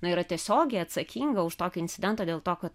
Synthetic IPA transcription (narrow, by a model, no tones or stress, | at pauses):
nʊiːɾɐt̪ʲiɛsʲoːɡʲɛɪɐt̪sɐkʲiŋɡɐʊʃt̪oːkʲʊɪnʲt̪ʲɪdʲɛnt̪oːd̪ʲeːlˠt̪oːkɐt̪